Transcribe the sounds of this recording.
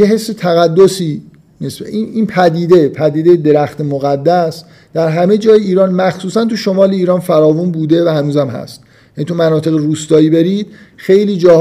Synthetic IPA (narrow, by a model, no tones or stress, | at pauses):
jeɦe̞sːet̪ʰæɣæd̪ːosiː | meseininpʰæd̪iːd̪e̞pʰæd̪iːd̪ejed̪e̞ɾæxt̪emoɣæd̪ːæs | d̪̥æɾɦæmed͡ʒɒːjeiːɾɒːnmæxsuːsænt̪ʰuʃomɒːleiːɾɒːnfæɾɒːvunbuːd̪e̞væhænuːzæmhæ̰st̪̚ | jænit̪ʰumænɒːt̪ʰe̞ɣeɾuːst̪ɒːiːbe̞ɾiːd̪̥̚xe̞jliːd͡ʒɒːh